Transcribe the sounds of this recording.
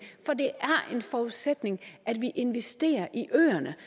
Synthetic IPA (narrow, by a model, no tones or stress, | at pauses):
fɒ̽d̥e̝ʔæɐʔe̝nfɒːuðˠsed̥ne̝ŋʔæd̥ʋiʔe̝nʋesd̥e̝̰ːɐʔiʔø̰ːɐnə